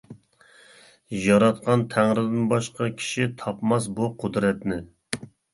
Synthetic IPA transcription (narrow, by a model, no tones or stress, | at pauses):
jɑɾɑt̪̚qʰɑnt̪ʰæŋɾɪd̪ɪnbɑʃqɑkʲʰi̥ʃit̪ʰɑpmɑsbuqʰʊd̪ɾɛt̪nɪ